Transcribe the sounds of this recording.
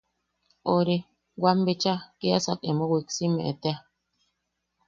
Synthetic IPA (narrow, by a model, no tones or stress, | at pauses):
oɾe | wambet͡ʃakeasa̰kemõwiksimḛ̃ʔet̪ea